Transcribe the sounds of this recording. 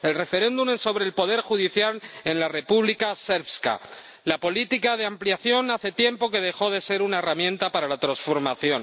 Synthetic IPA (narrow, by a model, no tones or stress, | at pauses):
e̞lre̞fe̞ɾẽ̞nd̪umeso̞βɾe̞ːlpo̞ðe̞ɾxuðiθjale̞nlare̞puβlikase̞ɾβska̰ | lapo̞lit̪ikað̞eampljaθjo̞naθe̞t̪je̞mpo̞ke̞ð̞e̞xo̞ð̞e̞se̞ɾunae̞ramjẽ̞nt̪apaɾalat̪ɾãnsfo̞ɾmaθjo̞n